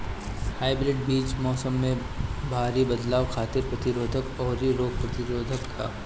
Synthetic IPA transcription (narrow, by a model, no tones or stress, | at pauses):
haːɪbɾɪɖ̚biːt͡ʃmɔːsəmːẽ | bʱaːɾibɐd̪laːwxʰaːt̪ɪɾpɾɐt̪ɪɾoːd̪ʱəkɔːɾiɾoːɡ̚pɾɐt̪ɪɾoːd̪ʱəkːa̰ː